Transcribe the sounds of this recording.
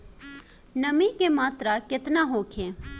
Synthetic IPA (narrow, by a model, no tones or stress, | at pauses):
nɐmikemaːt̪ɾakɪt̪naɦoːkʰẽː